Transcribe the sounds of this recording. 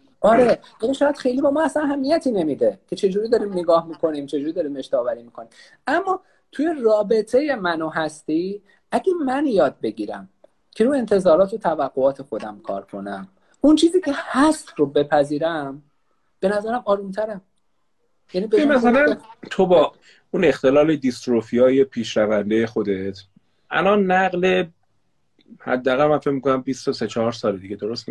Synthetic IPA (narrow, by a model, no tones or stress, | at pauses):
ʔɒɾejæniʃɒːjæd̪xe̞jliːbɒːmɒːæsænæɦæmːijæt̪ʰiːne̞mid̪e̞cʰe̞t͡ʃʰe̞d͡ʒuːɾiːd̪ɒɾiːmneɡɒːhmiːkʰo̞niːmt͡ʃʰe̞d͡ʒuːɾid̪ɒːɾiːme̞ʃt̪ɒːvæɾiːmiːkʰo̞niːm | æmːɒ | t̪ʰuje̞rɒːbe̞t̪ʰe̞je̞mænoɦæst̪i | æɟemænjɒːd̪̚be̞ɟiːɾæ̰m | cʰe̞ɾuːe̞nt̪ʰe̞zɒːɾɒːt̪ʰot̪ʰævæɡːoɒːt̪ʰe̞xo̞d̪æmkʰɒ̰ːɾkʰo̞næm | unt͡ʃʰiːziːcʰe̞hæst̪robe̞pʰæziːɾæm | b̥e̞næzæɾæmɒːɾunt̪ʰæɾæm | jæniːbemæsælænt̪ʰobɒː | une̞xt̪e̞lɒːle̞d̪ist̪ɾofijɒːje̞pʰiːʃɾævænd̪e̞jexod̪e̞t̪ʰ | ʔæ̰lɒnːæɣle̞ | hæ̰d̪ːæːɣælmænfe̞cmikʰonæmbist̪ose̞t͡ʃʰɒɒɾsɒːled̪iɡed̪oɾost̪mi